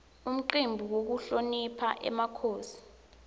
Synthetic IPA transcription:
um̩ǃimbʱuwok̬uɬonipʰaʔɛ̰makʰoːsi̥

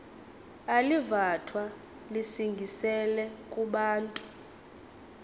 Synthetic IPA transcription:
alivatʰwa | lisiŋɡʱisɛlɛkʼuɓaːntʼu

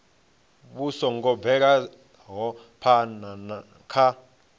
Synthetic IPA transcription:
ɓusɔŋɡɔbvɛk̬a | ɦɔ | pʰanana | kʰa

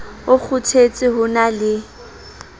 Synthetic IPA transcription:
ʊk͡xʰʊtʰet͡sʼɪɦʊnalɪ

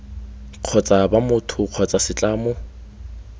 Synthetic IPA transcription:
q͡χʰɔt͡sʼabamʊtʰʊq͡χʰɔt͡sʼasɪt͡ɬʼaːmʊ

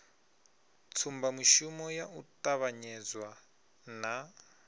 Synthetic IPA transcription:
t͡sʰumbamiʃumɔjaʔutaβaɲɛd͡zwa | na

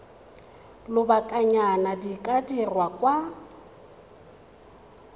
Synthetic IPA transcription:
lʊbakʼaɲanadikʼadirwakʼwa

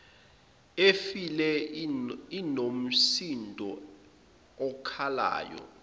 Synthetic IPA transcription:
efilɛ | inom̩sindʱɔ | ɔkʰala̰ːjɔ̰

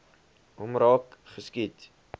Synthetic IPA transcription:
umrɑːkχəskit

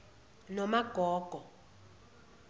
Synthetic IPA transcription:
nɔmaɡ̥ʱɔːɡ̥ʱɔ

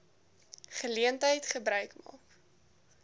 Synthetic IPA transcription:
χəliəntəjtχəbɾœɥkmɑ̰ːk

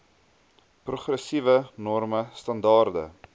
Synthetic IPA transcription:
pruχrəsivənɔrməstɐndɑːrdə̰

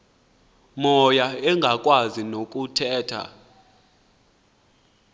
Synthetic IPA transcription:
mɔjaɛŋɡʱakʼwazinok̬ʼutʰɛːtʰa̰

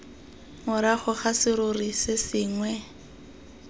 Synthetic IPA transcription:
mʊɾaχʊχasɪɾʊrisɪsɪːŋwɛ

